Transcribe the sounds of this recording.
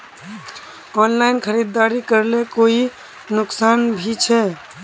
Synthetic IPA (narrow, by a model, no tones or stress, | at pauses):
ɔːnlaːɪnkʰəɾid̪ːaːɾikəɾlekoːi | nʊksaːnbʱit͡ʃʰɛ